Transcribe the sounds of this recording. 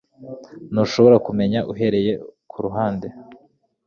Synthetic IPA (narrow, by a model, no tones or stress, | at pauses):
noʃo̞βo̞ɾakume̞ɲaʔuɦe̞ɾe̞je̞kʰuɾuɦaːnde̞